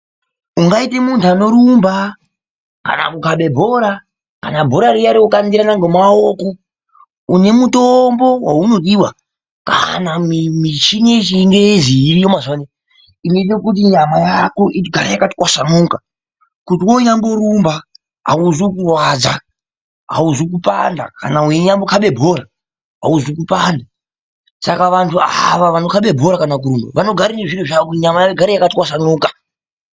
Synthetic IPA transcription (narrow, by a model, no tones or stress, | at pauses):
uŋɡaite̞muntʰuano̞ɾumba | ka̰na̰kukaɓe̞bʱo̞ɾa | ka̰nabʱo̞ɾaɾijaɾiukandiɾanaŋɡomaoko | une̞mutombo̞wauno̞ɗiwa̰ | ka̰namimit͡ʃinet͡ʃiŋɡeziːɾijomazone | ineɗekut̬iɲamajakoʔiɡʱaɾajakatikwasanoka | kutiwoɲamboɾumba | ɦa̰uzokurwad͡za | ɦa̰uzok̬upa̰nda̰ka̰naueɲambokʰaɓe̞bʱo̞ɾa | ɦa̰uzokupanda | sakaʋantʰuaʋaʋanokaɓe̞bʱo̞ɾakanak̬uɾumbaʋano̞ɡʱaɾineʐiriʐaokuiɲamajaeɡʱaɾejakatwasanoːkḁ